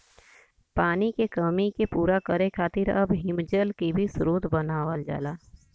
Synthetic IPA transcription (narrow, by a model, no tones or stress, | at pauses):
paːnikekəmikepuːɾakəɾekʰaːt̪ɪɾɐbɦɪmd͡ʒəlkibʱisʊɾoːt̪bənaːʋəld͡ʒa̰ːlaː